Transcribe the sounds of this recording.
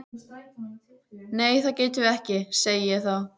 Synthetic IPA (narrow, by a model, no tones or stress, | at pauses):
neːjθaðceːjt̪ʏʏɛhcɪseːjɪjɛɣθaw